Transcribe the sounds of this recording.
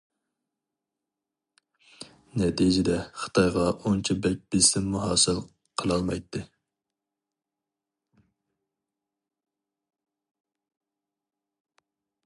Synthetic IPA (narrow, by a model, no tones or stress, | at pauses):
nɛt̪ʰijd͡ʒɪd̪ɛχə̥t̪ʰɑjʁɑʔont͡ʃʰibɛk̚ʲbɪsɪmːuɦɑːsɨlˠ | qʰəlˠɑlˠmɑjt̪ʰːɨ